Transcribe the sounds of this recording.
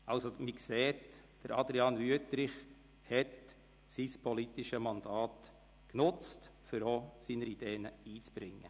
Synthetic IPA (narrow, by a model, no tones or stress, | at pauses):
ʔɑwsomikseːt | d̥əɾɑd̪ɾiɑnvyətɾɪχ | hɛt | sispʰɔlit̪ɪʃəmɑnd̪ɑːt | knʊt͡stfʏɾosiːnəɾid̥eːnəiːt͡sb̥ɾɪŋːə